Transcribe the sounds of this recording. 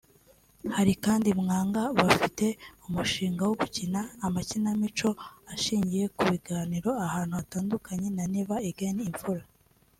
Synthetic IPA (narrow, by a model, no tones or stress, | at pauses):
haɾikaːndimŋaːŋɡaβafite̞umuʃiːŋɡawoɡucinaːmacinamit͡ʃo̞aʃiːɲɟije̞kuβiɡaːniɾo̞ahaːn̥huataːndukʰaɲe̞naniːβaeɡenːɱvuɾa